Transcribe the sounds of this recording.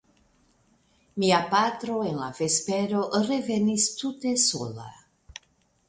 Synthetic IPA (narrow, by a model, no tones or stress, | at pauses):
miapatɾo̞e̞nlave̞spe̞ɾo̞ɾe̞ve̞nistute̞so̞̰la̰